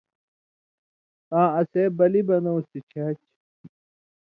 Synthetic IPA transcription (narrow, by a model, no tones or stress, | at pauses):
kãːɐseːbɐlibɐnɐwũst̪it͡ɕʰat͡ɕ